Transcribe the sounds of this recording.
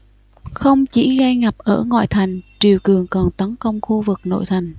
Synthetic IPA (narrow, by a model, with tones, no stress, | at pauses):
xə˧wŋ͡mt͡ɕḭ˧˩ɣa˧jŋa˨˩p̚ʔəː˧˩ŋwa̰˧˨jt̪ʰa˨˩jŋ̟t͡ɕi˨˩əwkɨ˨˩əŋkɔ˨˩nt̪ə˨˦nkə˧wŋ͡mxu˧vɨ˨˩k̚no̰˧˨jt̪ʰa˨˩jŋ̟